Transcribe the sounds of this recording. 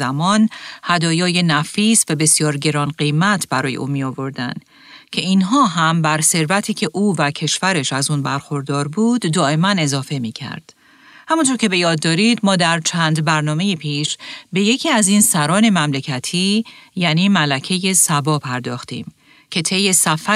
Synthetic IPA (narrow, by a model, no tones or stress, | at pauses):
æmɒnhæd̪ɒːjɒːje̞næfiːsvæbe̞sjɒːɾɟe̞ɾɒːnɢejmæt̪ʰbæɾɒːje̞̰ʔuːmiovo̞ɾd̪æ̰nd̪̥ | cʰe̞inɦɒːɦæmbæɾse̞ɾvæt̪ʰiːcʰe̞ʔuːvæcʰe̞ʃvæɾe̞ʃæzuːnbæɾxo̞ɾd̪ɒːɾbuːd̪ːɒːʔe̞mæne̞zɒːfe̞miːcʰæ̰ɾd̪̥ | hæmunt̪ʰoɾcʰe̞be̞jɒːd̪ːɒːɾid̪mɒːd̪æɾt͡ʃʰæːnd̪bæɾnɒːme̞jepʰiːʃbe̞je̞cʰiːæziːnsæɾɒːne̞mæmle̞cʰæt̪ʰijæːniːmælæcʰe̞je̞sæbɒːpʰæɾd̪ɒːxt̪ḭːm | cʰe̞t̪ʰe̞jːe̞sæfæ